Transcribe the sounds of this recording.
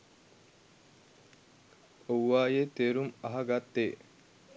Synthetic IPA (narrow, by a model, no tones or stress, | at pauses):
owːaːjet̪eːɾumɐɦɐɡat̪ːeː